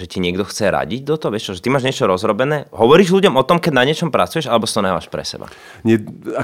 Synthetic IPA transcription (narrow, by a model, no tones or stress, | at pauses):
ʒɛciɲɪɛɡd̪ɔxt͡sɛɾa̰ɟiɟ̚d̪ɔt̪ɔʋɪɛʃt͡ʃɔʒɛt̪imaːʒɲɪɛt͡ʃɔɾɔzɾɔbɛnɛːɦɔʋɔɾiːʒluɟɔmɔt̪ɔmkɛɟnaɲɪɛt͡ʃɔmpɾat͡sujɛʒalɛbɔst̪ɔnajʋa̰ːʃpɾɛ̰sɛ̰ba̰ | ɲɛa